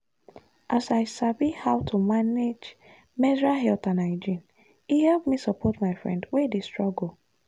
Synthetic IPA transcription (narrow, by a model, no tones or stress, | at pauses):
ʔasaɪsabihawtʰumaned͡ʒ | mɛdɹaɦɛltãnaɪd͡ʒĩn | ihɛlpmisɔpɔtmaɪfɹɛ̰̃ndwɛdestɹɔɡo